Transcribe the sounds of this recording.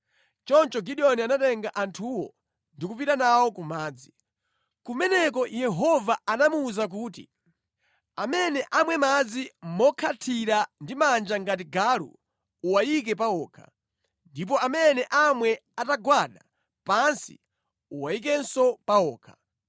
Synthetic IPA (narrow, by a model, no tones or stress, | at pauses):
t͡ʃɔnt͡ʃɔɡiɗiɔnianatɛŋɡaʔantʰuwɔ̰ | ndikupitanawɔkumaːd͡zi | kumɛnɛk̬ɔjɛɦɔvaanamuːzak̬uːtḭ | amɛnɛʔamwɛmad͡zimɔkʰatʰiɾandimand͡ʒaŋɡat̬iɡaɾṵ | uwajik̬ɛpaɔːkʰa̰ | ndip̬ɔamɛnɛʔamwɛataɡwaɗa̰ | pansḭ | uwajikɛnsɔpaɔːkʰḁ